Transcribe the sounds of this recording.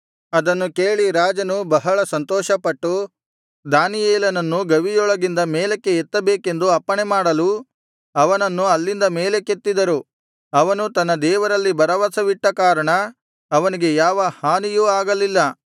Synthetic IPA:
ɐd̪ɐnːuke̞ːɭiɾaːd͡ʒɐnubɐɦɐɭɐsɐnt̪ɔːʃɐpɐʈːu | d̪aːnijeːlɐnɐnːuɡɐʋijɔɭɐɡind̪ɐmeːlekːe̞ːt̪ːɐbeːke̞nd̪uɐpːɐɳemaːɽɐlu | ɐʋɐnɐnːuɐlːind̪ɐmeːle̞ket̪ːid̪ɐɾu | ɐʋɐnut̪ɐnːɐd̪ɛːʋɐɾɐlːibɐɾɐʋɐsɐʋiʈːɐkaːɾɐɳɐː | ʋɐniɡe̞jaːʋɐhaːnijuːaːɡɐlːilːɐ

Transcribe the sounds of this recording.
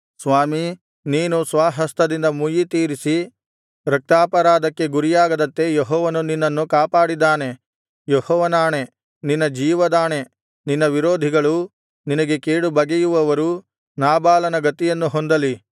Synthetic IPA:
sʋaːmi | niːnusʋaːɦɐst̪ɐd̪ind̪ɐmujit̪iːɾisi | ɾɐk̚t̪aːpɐɾaːd̪ɐkːe̞ɡuɾijaːɡɐd̪ɐnt̪e̞jeɦɔːʋɐnuninːɐnːukaːpaːɽid̪ːaːne̞ | jehɔːʋɐnaːne̞ | ninːɐd͡ʒiːʋɐd̪aːne̞ | ninːɐʋiɾoːd̪ʱiɡɐɭu | ninɐɡe̞keːɽubɐɡejuʋɐʋɐɾu | naːbaːlɐnɐɡɐt̪ijɐnːuɦond̪ɐli

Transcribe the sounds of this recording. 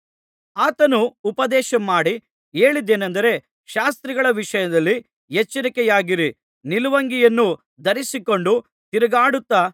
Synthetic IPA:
aːt̪ɐnuːpɐd̪ɛːʃɐmːaːɽi | eːɭid̪ːe̞ːnɐnd̪ɐɾe̞ | ʃaːst̪ɾiɡɐɭɐʋiʂɐjɐd̪ɐlːi | ɦet͡ʃːɐɾikɛjaːɡiɾi | niluʋɐŋɡijɐnːu | d̪ɐɾisiko̞ɳɖu | t̪iɾɐɡaːɽut̪ːa

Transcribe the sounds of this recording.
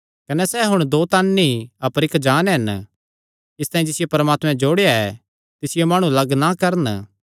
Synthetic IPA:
kɐnɛsɛːɦʊɽ̃d̪oːt̪aːnːiɐpəɾɪkd͡ʒaːnɦɐn | ɪst̪aːĩd͡ʒɪsɪjepɐɾmaːt̪mɛ̃d͡ʒoːɽejaɛ | t̪ɪsɪjemaːɽ̃ũlɐɡnakɐɾən

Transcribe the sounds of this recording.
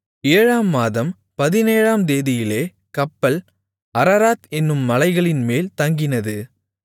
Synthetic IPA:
eːɻaːmːaːðɐm | pɐðɪneːɻaːmd̪eːðɪjɪleː | kɐpːɐl | ɐɾɐɾaːt̪ɛnːɯmːɐlɐɪɣɐɭɪnmeːlt̪ɐŋɡɪnɐðɯ

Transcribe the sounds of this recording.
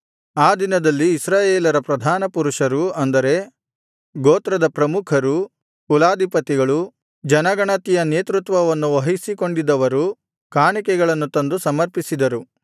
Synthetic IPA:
aːd̪inɐd̪ɐlːiːsɾaːjeːlɐɾɐpɾɐd̪ʱaːnɐpuɾuʂɐɾuɐnd̪ɐɾe̞ | ɡoːt̪ɾɐd̪ɐpɾɐmukʰɐɾu | kulaːd̪ʱipɐt̪iɡɐɭu | d͡ʒɐnɐɡɐɳɐt̪ijɐneːt̪ɾut̪ʋɐʋɐnːuʋɐɦisiko̞ɳɖid̪ɐʋɐɾu | kaːɳikɛɡɐɭɐnːut̪ɐnd̪usɐmɐɾpisid̪ɐɾu

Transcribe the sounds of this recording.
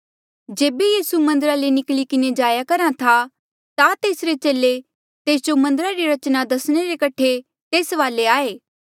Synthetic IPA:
d͡ʒeːbejiːsumɐ̃nd̪əɾalenɪklikɪned͡ʒaːjakɐɾat̪ʰa | t̪at̪eːsɾet͡ʃeːle | t̪eːsd͡ʒomɐ̃nd̪əɾaɾiɾɐt͡ʃnad̪ɐsɽ̃eɾekɐʈʰe | t̪eːsʋaːleaːeː

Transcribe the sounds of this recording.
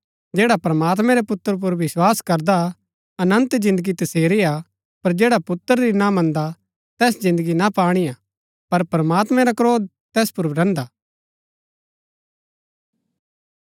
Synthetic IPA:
d͡ʒɛːɽapɾɐmaːt̪̬mɛ̃ɾepʊt̪ːəɾp̬ʊɾʋɪswaːskɐɾd̪a | ɐnə̃nt̪d͡ʒɪ̃nd̪əɡit̪ɐseːɾia | pɐɾd͡ʒɛːɽapʊt̪ːəɾɾinamɐ̃nd̪a | t̪ɛːsd͡ʒɪ̃nd̪əɡinapaːɽ̃ija | pɐɾpɾɐmaːt̪mɛ̃ɾakɾoːd̪̚ | t̪ɛːspʊɾɾɛ̃ːnd̪a

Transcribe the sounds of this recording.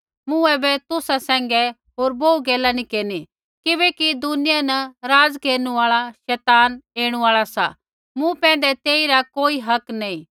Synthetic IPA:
mʊ̃ɛbɛt̪ʊsasɛ̃ːŋɡɛ | ɦoːɾboːuɡɛːlanikeːɾni | kɪbɛkid̪ʊnɪjanɐɾaːd͡zkeːɾñũaːɭaʃɛːt̪aːneːɽ̃uaːɭasa̰ | mũpɛ̃ːnd̪ɛt̪eːiɾakoːiɦɐknɐĩ

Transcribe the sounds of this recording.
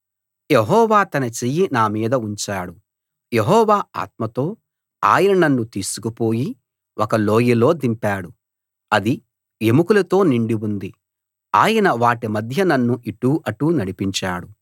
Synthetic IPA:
jeɦɔːʋaːt̪ɐnɐt͡ʃejinaːmiːd̪ɐuɲt͡ʃaːɽu | je̞ɦɔːʋaːa̰ːt̪mɐt̪o̞ː | a̰ːjɐnɐnɐnːut̪iːsu̥kupo̞ːji | ʔɔkɐlo̞ːjilo̞ːd̪impaːɽu | ɐd̪i | jemukulɐt̪o̞ːniɳɖiwund̪i | aːjɐnɐʋaːʈimɐd̪ʱjɐnɐnːuʔiʈːuːʔɐʈːuːnɐɽipiɲt͡ʃa̰ːɽu

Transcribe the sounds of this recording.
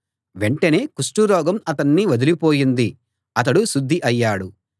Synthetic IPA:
ʋe̞ɳʈɐne̞ːkuʂʈuɾɔːɡɐmɐt̪ɐnːiʋɐd̪ilipo̞ːjind̪i | ɐt̪̬ɐɽusud̪ʱːiʔɐjːaːɽu

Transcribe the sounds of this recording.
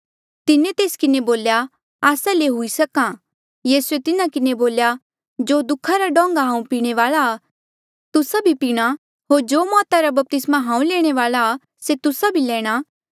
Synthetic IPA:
t̪ɪnẽt̪eːskɪneboːlja | aːsaleɦʊisɐkã | jiːsuet̪ɪnakɪneboːlja | d͡ʒoːd̪ʊkʰːaɾaɖɔ̃ːŋɡaɦãːũpiːɽ̃eʋaːlaː | t̪ʊsabʱipiːɽ̃a | ɦoːɾd͡ʒoːmɔːt̪aɾabɐp̚t̪ɪsmaɦãːũlɛːɽ̃eʋaːlaː | set̪ʊsabʱilɛ̃ːɽ̃aː

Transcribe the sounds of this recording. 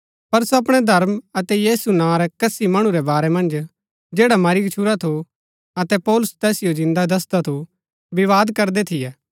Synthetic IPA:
pɐɾsoɐpɽ̃ɛd̪ʱɐɾmɐt̪ɛjiːsunãːɾɛkɐsimɐɽ̃uɾɛbaːɾɛmɐ̃nd͡ʒ | d͡ʒeːɽamɐɾikt͡ʃʰuɾat̪ʰo | ɐt̪ɛpɔːlʊst̪ɛːsɪjod͡ʒɪ̃nd̪ad̪ɐs̬d̪at̪ʰo | bɪʋaːd̪kɐɾd̪ɛt̪ʰɪjɛː

